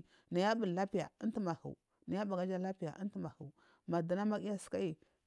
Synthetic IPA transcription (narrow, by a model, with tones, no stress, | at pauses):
na˨ja˦bu˨la˦pi˦ja̰˨i˦nti˦ma˨hṵ˨ | na˨ja˦ba˨ɡa˦d͡ʒa˦la˦pi˦ja̰˨ʔi˦n˦ti˦ma˨hu˨ | ma˨da˨na˦ma˦ki˦ja˦si̥˨ka˦i˨